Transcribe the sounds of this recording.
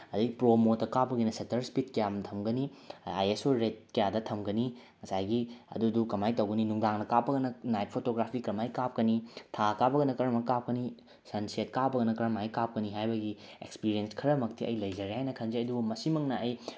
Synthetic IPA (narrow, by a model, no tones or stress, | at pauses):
ɐdiɡipɾomotːɐkabɐɡinɐsɐtɐɾspitkɐjamtʰɐmɡɐnia̰jesoɾet̚kɐjadɐtʰɐmɡɐniŋɐsajɡiɐ̰dudukɐmajtɐwɡɐninuŋdaŋnɐkapːɐɡɐnɐnajpʰotoɡɾapʰikɾɐmajkap̚kɐnitʰakabɐɡɐnɐkɐɾɐmakap̚kɐni | sɐnsiet̚kabɐɡɐnɐkɾɐmajkap̚kɐniɦajbɐɡiḛkspiɾienskʰɐɾɐmɐktʰiɐ̰jlɐjd͡ʒɐɾihajnɐkʰɐnd͡ʒeɐdumɐsimɐŋnɐɐj